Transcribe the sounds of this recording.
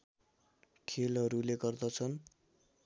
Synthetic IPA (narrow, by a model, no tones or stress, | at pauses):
kʰelɦʌɾuleɡʌrd̪ʌt͡sʰʌn